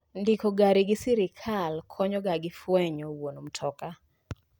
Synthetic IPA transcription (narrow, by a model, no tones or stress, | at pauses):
ndikoɡaɾiɡɪsiɾɪkʰalkʰɔɲɔɡaɡɪfwɛɲɔwonom̩tʰɔka